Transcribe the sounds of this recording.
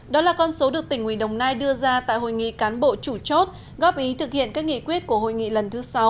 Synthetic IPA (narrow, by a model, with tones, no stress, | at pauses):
ɗɔ˨˦laː˨˩kɔ˧nso˨˦ɗɨ˨˩ək̚t̪ï˧˩ŋ̟hwḭ˧˨ɗə˨˩wŋ͡mnaː˧jɗɨ˧əzaː˧t̪a̰ː˧˨jɦo̰˧˩jŋḭ˧˨kaː˨˦nɓo̰˧˨t͡ɕu˧˩t͡ɕo˦˥t̚ | ɣɔ˦˥p̚ʔi˨˦t̪ʰɨ˨˩k̚hḭ˧˨ənkaː˦˥k̚ŋḭ˧˨kwi˦˥ət̚ku˧˩əho̰˧˨jŋḭ˧˨lə˨˩nt̪ʰɨ˨˦sa˨˦w